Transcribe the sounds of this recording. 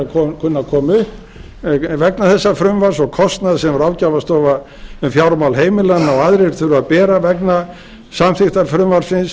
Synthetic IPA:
kʰɔkʰʏnːakʰɔːmʏhp | vɛknaθɛsːafɾʏmvaɾ̥sɔɣkʰɔst̪naðsɛmɾawcavast̪ɔːva | ʏmfjawɾmawlɦeːjmɪlanːaɔaðɾɪɛɾ̥t̪θʏɾʏaðpɛːɾavɛkna | samθɪxt̪afɾʏmvar̥sɪns

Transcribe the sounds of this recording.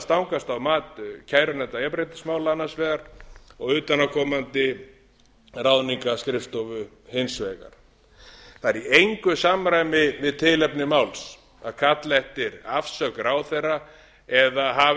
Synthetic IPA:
st̪awŋkast̪awmaːt̪cʰaːjɾʏnɛnt̪ajɛpɾejt̪ɪ̥smaːwlaanːasvɛːɣaɾ̥ɔɣʏːt̪anawkʰɔːmant̪ɪ | rawðniŋkaskɾɪft̪ɔvʏ | hejnsvɛːka̰ɾ̥ | θaɛɾiejŋkʏsamɾajmɪvɪðt̪ʰɪlɛpnɪmawls | a̰ðkʰat̪lɛht̪ɪɾafsœkɾaːwθejrːa | ɛðaɦa

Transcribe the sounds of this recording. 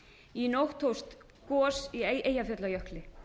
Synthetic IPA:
inowht̪ʰowst̪ | kɔːsieʔeːjafɛt̪lajœhklɪ

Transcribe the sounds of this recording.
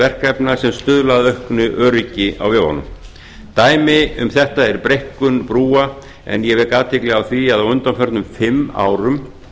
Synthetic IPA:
vɛr̥kɛpnḁsɛmst̪ʏðlaðœhknʏʔœːɾɪcɪa̰wvɪhɔ̰nʏ̰m | t̪aːjmɪʏmθɛht̪aɛɾpɾejhkʏnpɾuːa | ɛ̰njɛvɛɾkaːt̪ʰɪklɪɣawθviaðawʏnt̪amfœɾt̪nʏmfɪmːa̰ːwɾʏm

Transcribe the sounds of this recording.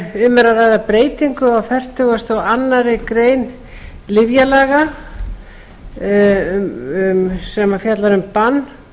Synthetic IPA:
ʏmɛɾaraːjðapɾeːjt̪iŋkʏawfɛr̥t̪ʏɣast̪awanːaɾɪkɾeːjn | lɪvjalaːɣa | msɛmafjat̪laɾʏmpanː

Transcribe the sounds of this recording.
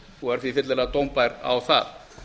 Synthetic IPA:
ɔɣɛɾ̥θvifɪt̪lɪlat̪owmpajɾa̰wθa̰ð

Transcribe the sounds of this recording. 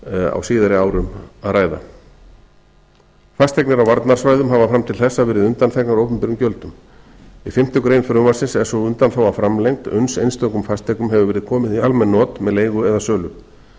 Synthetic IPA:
a̰wsiːðaɾɪaːwɾʏmaðraːjða̰ | fast̪ʰɛjknɪɾawvaɾt̪naɾ̥svaːjðʏmɦavafɾamt̪ʰɪlθɛsːavɛːɾɪðʏnt̪anθɛknaɾoːwpʏmpɪɾʏmcœlt̪ʏm | ifɪm̥t̪ɪkɾeːjnfɾʏmaɾsɪnsɛ̥sɔʏnt̪anθawvafɾamlejŋk̚t̪ʏ̰nsejnst̪ɔkʏmfast̪ʰɛknʏmɦɛvʏvɛːɾɪðkʰɔːmɪðialmɛnːɔːt̪mɛðleːjɣʏɛðasœːlʏm

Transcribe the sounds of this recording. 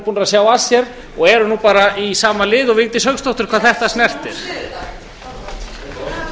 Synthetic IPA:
punɾasjaːwasjɛɾ | ɔɣɛɾʏnuːpaːɾaisaːmalɪːðɔɣvɪŋt̪ɪshœɣkst̪owht̪ʏɾ̥kʰvaːðθɛht̪asnɛr̥t̪ɛɾ̥

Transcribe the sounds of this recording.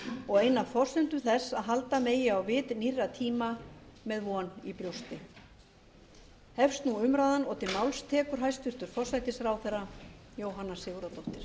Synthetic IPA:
ɔɣejnːafɔr̥sʏnt̪ʏθɛsːaðɦalt̪ameːjɪawvɪːt̪nirːat̪ʰiːmamɛðvɔnipɾjowst̪ɪ | hɛfst̪nuʏmɾaːðanɔːt̪ʰɪlmawlst̪ʰɛːkʏɾ̥ɦajst̪vʏɾ̥t̪ʏɾ̥fɔrsajt̪ɪsɾawθɛrːajoːwɦanːḁsɪːɣɾat̪ɔht̪ɪɾ̥

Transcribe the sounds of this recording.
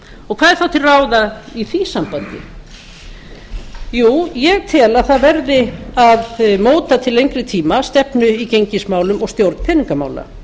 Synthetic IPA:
ɔɣkʰv̥aːðɛɾ̥θawt̪ʰɪlraːwðaiθisampant̪ɪ̰ | juːjɛɣt̪ʰɛːlaðθaðvɛɾðɪaðmoːwt̪at̪ʰɪlejɲŋkɾɪt̪ʰiːmast̪ɛpnʏiceɲcɪsmaːwlʏmɔɣst̪jowɾt̪n̥pʰɛniŋkama̰ːwla̰

